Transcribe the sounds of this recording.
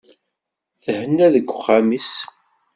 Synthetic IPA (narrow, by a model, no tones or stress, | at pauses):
θəhənːæðəɡʷːʊχːamis